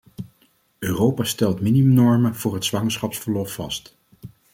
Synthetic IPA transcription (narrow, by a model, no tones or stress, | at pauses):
øːrowpastɛlˠtminiɵmnɔɹmənv̥ʊːɹɦətsʋɑŋəɹsχɑpsfəɹlɔfːɑ̰st